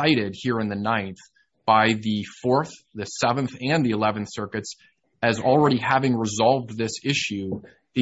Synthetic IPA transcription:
aɪɾɪd̚hiɹɨ̃nðɨnãɪ̃nθ | b̥aɪðɨfɔɹθðɨsɛvɨ̃nθɨ̃nðiɨlɛṽn̩θsɜ˞kɨts | ɨzl̩ˠɹɛɾihævɪ̃ŋɹəzɑlˠvðɪsɪʃʉ | ðɨ

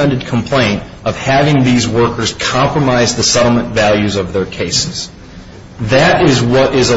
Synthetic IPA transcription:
ɛ̃ndɨd̚kʰm̩pʰl̥ẽɪ̃nt | ʌv̥hævɪ̃ŋðizwɜ˞kə˞z̥kʰɑ̃mpɹəmaɪzðɨsɛɾl̩ˠmə̃ntvælˠjʉzʌvðə˞kʰeɪsɨ̥z̥ | ðɨɾɪzwʌɾɪzə

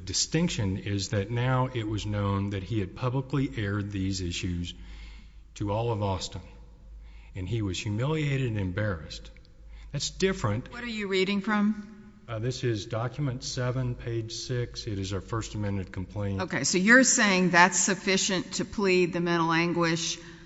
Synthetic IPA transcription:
dɨstɪ̃ŋkʃɨ̃nɪzðɨtⁿnaʊʔɪt̚wʌznõʊ̃nðɨt̚hiɨd̚pʰʌbləkliʔɛɹd̪̚ðizɪʃʉz̥ | tʰɨɔlˠʌvɔstə̃n | ɨ̃niwʌz̥hjʉmɪlˠieɪɾɨɾ̃nɨ̃nbɛɹɨst̚ | ðætsd̥ɪfɹɨ̃ntwʌɾə˞jɨɹiɾɪ̃ŋfɹʌ̃m | ðɪsɪzdɑkjɨmɨ̃ntsɛvɨ̃npʰeɪd̥ʒ̥sɪksɨɾɨzaʊə˞fɜ˞stɨmɛ̃ndɨd̚kʰm̩pʰl̥ẽɪ̃noʊkʰeɪsoʊjə˞seɪɪ̃ŋðætsɨfɪʃɨ̃ntʰɨpʰl̥id̪̚ðɨmɛ̃ɾ̃l̩ˠæ̃ŋɡwɪʃ

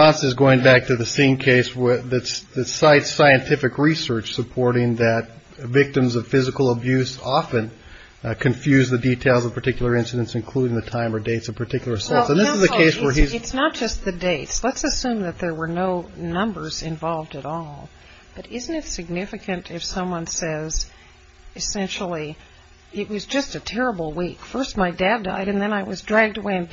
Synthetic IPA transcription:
ɑ̃nsɨzɡoʊɪ̃ŋbæk̚tʰɨðɨsĩnkʰeɪswðɨtsðɨsaɪtsaɪɨ̃ntʰɪfɨkɹisɜ˞t͡ʃsəpʰɔɹɾɪ̃ŋðɨt̚ | vɪk̚tɨ̃mzʌv̥fɪzɨkl̩ˠəbjʉsɑfɨ̃n | kʰɨ̃ɱfjʉzðɨditʰeɪlˠzʌv̥pʰə˞tʰɪkjl̩ˠə˞ɪ̃nsɨɾɨ̃ntsɨ̃nkʰl̥uɾɪ̃ŋðɨtʰãɪ̃mə˞deɪtsʌv̥pʰə˞tʰɪkjl̩ˠə˞sɔɹsə̃nðɪsɨzzðɨkʰeɪswwə˞izɨtsnət̚d̥ʒ̥ʌst̪̚ðɨdeɪtslətsɨsʉ̃mðɨt̪̚ðə˞wə˞noʊnʌ̃mbə˞zɨ̃ɱvɑlˠvdɨɾɔlˠ | b̥ʌɾɪzn̩tɨtsɨɡ̚nɪfɨkʰɨ̃ntʰɨfsʌ̃mwʌ̃nsɛz | ɨsɛ̃nʃl̩ˠi | ɪt̚wʌzd͡ʒʌstɨtʰɛɹəbl̩ˠwikfɜ˞st̚maɪdæda̰ɪɾɨ̃nðɨ̃naɪwʌzdɹæɡ̚dəweɪɨ̃n

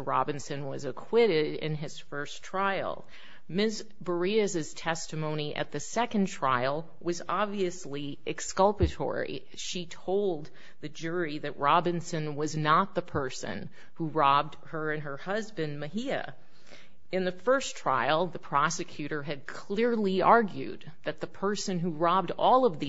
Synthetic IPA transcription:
ɹɑ̰bɨ̃nsɨ̃nwʌzɨkʰw̥ɪɾɪɾɪ̰̃nɪz̥fɜ˞stʰɹ̥aɪl̩ˠ | mɪs | bə˞iɨzɨz̥tʰɛstɨmõʊ̃ñiʔɨ̰t̪̚ðɨsɛkɨ̃ntʰɹ̥aɪl̩ˠ | wʌzɑbviɨsli | ʔɨkskʌlˠpɨtʰɔ̰ɹḭ | ʃitʰoʊlˠd̪̚ | ðɨd͡ʒʊɹiðɨʔ̚ɹɑbɨ̃nsɨ̃nwʌznət̪̚ðəpʰɜ˞sɨ̰̃n | huɹɑb̚d̚ | ə˞ɨ̃nə˞hʌzbɨ̃nmɨɦiɨ̰ | ɨ̃nðɨfɜ˞stʰɹ̥a̰ɪl̩ˠðɨpʰɹ̥ɑsɨkʰj̥ʉɾə˞ɨd̚kʰl̥ɪɹliɑɹɡjʉ̰d̪̚ðɨt̪̚ðəpʰɜ˞sɨ̃nɦuɹɑb̚dɔlˠʌvði

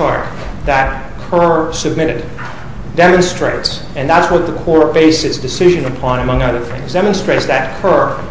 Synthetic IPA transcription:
ɑɹk̚ | ðɨt̚ | kʰɜ˞sɨb̚mɪɾɨd | dɛm̃nstɹ̥eɪts | ɨ̃nðætswʌt̪̚ðəkʰɔɹbeɪsɨtsd̥ɨsɪʒɨ̃nəpʰɑ̃nɨmʌ̃ŋʌðə˞θɪ̰̃ŋzdɛmə̃nstɹ̥eɪtsðɨt̚kʰɜ˞

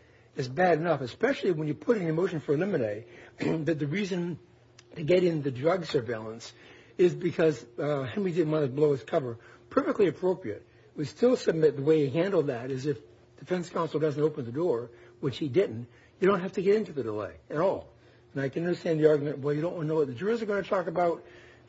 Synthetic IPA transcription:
ɨzbæɾɨnʌfɨspɛʃl̩ˠiwə̃njə˞pʰʊɾɨ̃nɨmoʊʃn̩fə˞ɨlɪ̃mɨneɪðɨt̪̚ðɨɹizɨ̃n | tʰɨɡɛɾɨ̃nðɨdɹʌɡsə˞veɪlˠə̃ns | ɪzbɨkʰʌzɦɛ̃nɹidɪdⁿn̩ʔwɑ̃nɨbloʊɨz̥kʰʌvə˞pʰɜ˞fɨk̚tˡliɨpʰɹ̥oʊpɹiɨt̚ | wɨ̥stɪlˠsɨb̚mɪt̪̚ðəweɪɾɨɦæ̃ndˡl̩ˠðɨɾɨzɨf | d̥ɨfɛ̃nskʰãʊ̃nsl̩ˠdʌzn̩toʊpɨ̃n̩ðɨdɔɹwɨt͡ʃhidɪdⁿn̩t | jɨɾõʊ̃ntɦæftɨɡɛɾɪ̃ntʉðɨdəleɪɨɾɔ̰lˠ | ɨ̃naɪkɨ̃nʌ̃ndə˞stæ̃nðiɑɹɡjmɨ̃ntwɛlˠjɨɾõʊ̃ʔwʌ̃nənoʊwʌt̪̚ðɨd͡ʒʊɹzə˞ɡõʊɪ̃nɨtʰɔkɨbaʊt̚

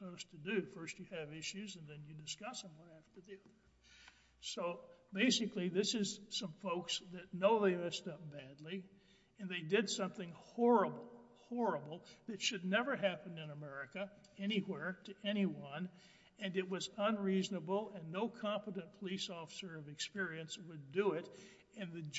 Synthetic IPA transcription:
oʊz̥tʰɨdɨfɜ˞st͡ʃɨɨvɪʃʉzɨ̃nðɨ̃njɨdɨskʌsə̃mwʌ̃næftə˞ðiʌðə˞ | soʊbeɪsɨkliðɪsɨz̥sʌ̃ɱfoʊksðɨtⁿnoʊðeɪmɛstʌp̚b̥ædˡli | ɨ̃nðeɪdɪdsʌ̃mθɪ̃ŋhɔɹɨbl̩ˠ | hɔɹɨbl̩ˠðɨtʃɨdⁿnɛvə˞ɦæpɨ̃nɨ̃nəmɛɹɨkɨ | ɛñiwɛɹɾɨʔɛɾ̃iwʌ̃n | ɨ̃nɨt̚wʌzə̃nɹiznəbl̩ˠɨ̃nːoʊkʰɑ̃mpəɾɨ̃npʰəlisɔfə̥sə˞ʌvɨkspɪɹiɨ̃nswɨdɨɪɾ | ɨ̃nðɨ

